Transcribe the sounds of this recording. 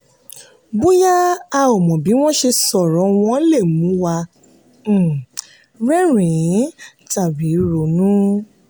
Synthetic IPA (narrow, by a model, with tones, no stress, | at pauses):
bu˦ja˦a˧ɔ˨mɔ̃˨bi˨˦w̃ɔ̃˦ʃe˧sɔ˨ɾɔ̃˨˦w̃ɔ̃˦le˦˨mũ˨˦wa˧˦˨ | ɾɛ˦ɾĩ˨˦ta˨bi˨˦ɾo˨nũ˦